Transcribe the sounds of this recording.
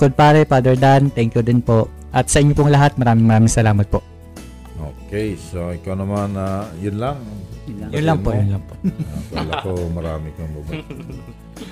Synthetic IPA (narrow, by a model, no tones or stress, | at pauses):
kod̪̚paːɾɛpaːd̪ɛɹd̪ant̪ɛŋkjʊd̪ɪnpoʔ | ʔɐt̪̚sɐʔɪɲːopʊŋlɐɦat̪̚mɐɾaːmɪŋmɐɾaːmɪŋsɐlaːmɐt̪̚poʔ | ʔo̰ːkɛjsoʔɪkawnɐmanajʊnlaŋjjʊlɐŋpojʊnlɐŋpoawɐlakomɐɾaːmɪkoŋbabɐ